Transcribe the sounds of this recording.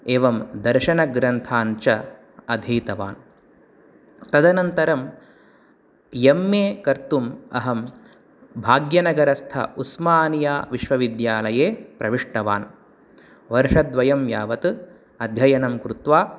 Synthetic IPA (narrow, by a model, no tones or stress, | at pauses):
eːʋɐmd̪ɐɾʃɐnɐɡɾɐnt̪ʰaːnt͡ʃɐ | ɐd̪ʱiːt̪ɐʋaːn | t̪ɐd̪ɐnɐnt̪ɐɾɐm | jemːeːkɐɾt̪umɐ̰ɦɐm | bʱaːɡjɐnɐɡɐɾɐst̪ʰɐ̰usmaːnijaːʋiʃʋɐʋid̪jaːlɐjeːpɾɐʋiʂʈɐʋaːn | ʋɐɾʂɐd̪ʋɐjɐmjaːʋɐt̪ɨ | ɐd̪ʱjɐjɐnɐmkɾut̪ʋaː